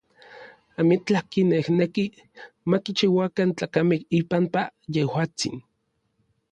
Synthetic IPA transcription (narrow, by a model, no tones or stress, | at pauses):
amit͡ɬakinehneki | makit͡ʃiwakant͡ɬaːkamekipampajehwaːt͡sḭn